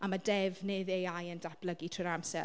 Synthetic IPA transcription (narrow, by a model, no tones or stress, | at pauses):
amadɛvneðejajəndab̥ləɡitʰrəɾamsɛ